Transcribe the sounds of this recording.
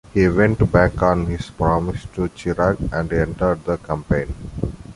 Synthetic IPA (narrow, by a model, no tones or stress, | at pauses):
hiʋɛ̃ɳʈbækɔ̃nhispɾɔmɪsʈut͡ʃiɾakɛ̃ɳɖɛ̃ɳʈəɖ̚d̪əkãmpẽɪ̃n